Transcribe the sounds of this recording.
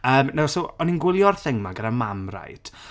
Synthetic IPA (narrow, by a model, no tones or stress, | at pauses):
əːmnawsowɔninɡwɪlˠjɔrθɪŋmaɡənamamra̰jd̥